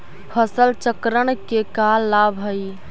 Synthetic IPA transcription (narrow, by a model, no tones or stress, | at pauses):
pʰəsəlt͡ʃəkɾəɳ̃kekalːabʱɦəj